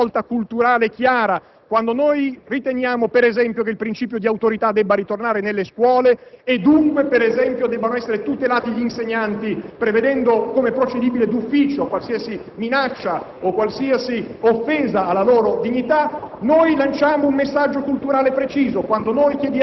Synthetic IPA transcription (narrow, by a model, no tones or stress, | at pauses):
ɔlt̪akult̪uɾaːlekjaːɾa | kwand̪onojrit̪enjaːmopeɾezɛmpjok̬eilpɾint͡ʃiːpjod̪iawt̪oɾit̪ad̪ːɛbːaɾit̪ornaːɾenelːeskwɔːleːd̪ːuŋkwepeɾezɛmpjod̪ɛbːanoɛsːeɾet̪ut̪elaːt̪iʎiːnseɲːant̪ipɾeved̪ɛnd̪okomepɾot͡ʃed̪iːbiled̪ufːiːt͡ʃokwalsiːasi | minat͡ʃːa | okwalsiːasiofːeːzaːlːaloːɾod̪iɲːit̪anojlant͡ʃaːmoummesːad͡ʒːokult̪uɾaːlepɾet͡ʃiːzokwand̪onojkjed̪